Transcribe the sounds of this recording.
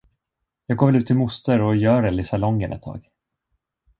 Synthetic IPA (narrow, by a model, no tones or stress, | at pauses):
jɑːɡoːvɛlʉ̟ːt̪ʰːɪlmʊst̪əɾɔjœːɾɛlɪsalɔŋːənʔɛ̰t̪ʰːɑ̰ːɡ